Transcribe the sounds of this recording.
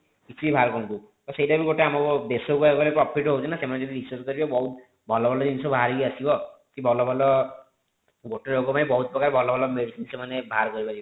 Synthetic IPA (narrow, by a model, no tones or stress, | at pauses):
kit͡ʃuibʱaɾkɔũnt̪u | t̪ɔsejʈabiɡoʈeamɔkɔbesokɔekbɔlepɾɔpʰiʈɦout͡ʃʰɔnasemaned͡ʒɔd̪ʱiɾisɔɾskɔɾibabɔɦut̪ | bʱɔlɔbʱɔlɔd̪inisɔbʱaɾiiasibɔ | k̪ibʱɔlɔbʱɔlɔ | ɡoʈeɾokɔpanibɔɦut̪̚pɔkaɾebʱɔlɔbʱɔlɔmeɽisinsemanebʱaɾkɔɾibad͡ʒibɔ